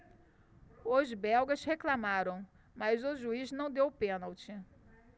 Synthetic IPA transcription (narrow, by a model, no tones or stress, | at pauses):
ozbɛwɡɐʃheklamaɾɐ̃w̃ | mazʊʒuiznɐ̃w̃d̪ewpẽnawt͡ʃɪ